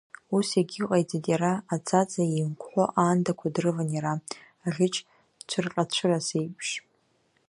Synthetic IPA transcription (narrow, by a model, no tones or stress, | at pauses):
useɡʲiqʼajd͡zadjaɾaːt͡sʰat͡sʼaimkʷʰħʷoʔaːndakʷʰadrɨvanjaɾaː | ʁʲɪt͡ʃʰʼ | t͡ʃʷʰɨrqʼat͡ɕʷʰɨrasejpʰʃ